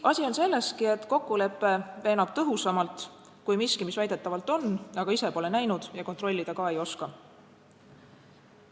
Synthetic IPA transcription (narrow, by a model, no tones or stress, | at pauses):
ɑsʲio̞nse̞lːe̞st̪kie̞t̪ko̞kːule̞pːˑe̞ve̞ːnɑb̥̚t̪ɤɦusɑmɑlt̪ | kujmiskimisvæjd̪̥e̞t̪ːˑɑvɑlt̪ˑo̞nːɑɡ̥ɑise̞po̞le̞næjnud̪̥jɑko̞nt̪ro̞lʲːid̪̥ɑkɑe̞jo̞skɑ